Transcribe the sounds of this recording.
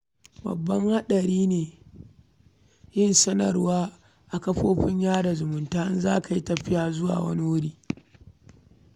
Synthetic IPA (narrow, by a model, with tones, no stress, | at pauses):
bɐ̰˨bːɐ˦ŋha˦ɗɐ˨ɾiː˦neː˨ | jɪ˦nsɐ˦nɐ̰˨rwaː˦ | ʔa˨kɐ˦ɸoː˦ɸɪ˦ɲjaː˦da˨zʊ˨mʊ˨ntaː˦nzaː˦ka˨ji˦tɐ˨ɸɪ˦jaː˨zʊ˦wa̰ː˨wɐ̰˦ni˦wʊ˦ɽiː˦